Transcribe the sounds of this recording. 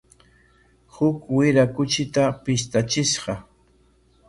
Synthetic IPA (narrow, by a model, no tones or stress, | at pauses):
hʊkwɪɾakʊt͡ʃɪt̪apɪst̪at͡ʃɪʃɢɑ